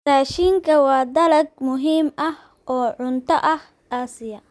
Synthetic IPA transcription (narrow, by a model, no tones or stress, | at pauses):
raːʃiːŋkʰɐwɑːd̪ɐlɐɡ̚mʊɦiːmɐh | ʔɔːʕʊnt̪ʰɐʔɐh | aːsɪjɐ